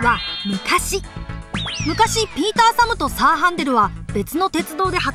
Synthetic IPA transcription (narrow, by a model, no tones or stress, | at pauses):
βamɯ̟kaɕi | mɯ̟kaɕipʲiːt̪aːsamɯ̟t̪o̞saːɦãnd̪e̞ɾɯ̟βabe̞t͡sɨno̞t̪e̞t͡sɨd̪o̞ːd̪e̞ɦa